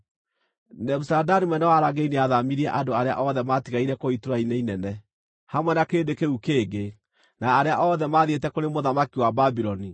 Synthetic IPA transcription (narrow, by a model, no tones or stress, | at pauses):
nɛbusadanimwɛnɛwaɾaɡeineaðamiɾiɛʔadoaɾea̰ʔɔðɛmatiɣaiɾɛkoitoɾaineinɛnɛ | hamwɛnakeːdekeukeːɡe | naːɾeaʔɔðɛmaðietɛkoɾemoðamakiwababiɾɔni